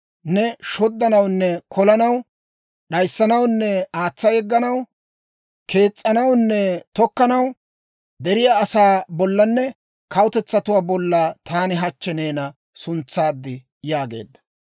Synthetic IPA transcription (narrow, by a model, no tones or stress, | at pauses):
nɛʃɔd̪ːɐnɐwnːɛkʰɔlɐnɐw | ɗɐjsːɐnɐwnːɛaːt͡sːɐjɛɡːɐnɐw | kʰe̞ːt͡sʼːɐnɐwnːɛt̪ɔkːɐnɐw | d̪ɛɾɪjaːsaːbɔlːɐnːɛ | kɐwʊt̪ɛt͡sːɐt̪ʊwaːbɔlːaːt̪aːnɪɦɐt͡ʃːɛne̞ːnɐ | sʊnt͡sːaːd̪ːɪ | jaːɡe̞̰ːd̪ːɐ̥